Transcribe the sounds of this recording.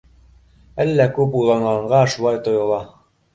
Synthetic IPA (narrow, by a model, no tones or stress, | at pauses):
ælːækʉpujlˠɑɴɢɑɴɢɑʃulˠɑjt̪ŏjɤ̆lˠɑ